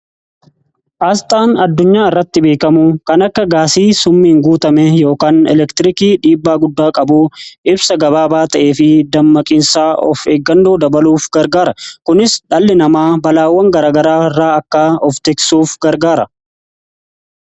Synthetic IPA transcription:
ʔaːst̪ʼaːnɐd̪ːʊɲːaːɪrːɐt̪ːɪbe̞ːkɐmukɐnɐkːɐɡaːsiːsʊmːiːŋɡuːt̪ɐmɛjo̞ːkaːnɛ̰lɛkt̪ɪɾɪkiːᶑiːbːaːɡʊd̪ːaːkʼɐbuʔɪbsɐɡɐbaːbaːt̪ɐʔe̞ːfɪd̪ɐmːɐkʼɪnsaːʔɔ̰feːɡːɐnd̪oːd̪ɐbɐluːfɡɐɾɡaːɾɐkʊnɪsᶑɐlːɪnɐmaːbɐlaːwːɐŋɡɐɾaːɡɐɾaːrːaːɐkːaɔft̪eksuːfɡɐɾɡaːɾɐ

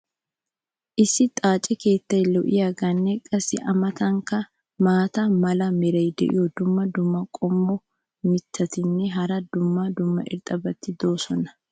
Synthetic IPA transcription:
ʔɪsːɪt̪ʼaːt͡ʃʼːɛke̞ːt̪ːɐjlɔʔɪjɐɡɐnːɛkʼːɐsɪʔɐmɐt̪ɐŋkɐ | maːt̪ɐmɐlɐmɪɾɐjd̪ɛ̰ʔɪ̰jɔd̪ʊmːɐd̪ʊmːɐkʼɔmbɔ | mɪt̪ːɐt̪ɪnːɛɦɐɾɐd̪ʊmːad̪ʊmːɐ̰ʔɪ̰ɾt̪ʼɐbɐt̪ːɪd̪oːsɔnɐ̥

